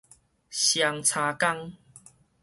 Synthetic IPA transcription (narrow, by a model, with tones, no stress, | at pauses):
ɕja˧ŋt͡sʰa˧ka˦ŋ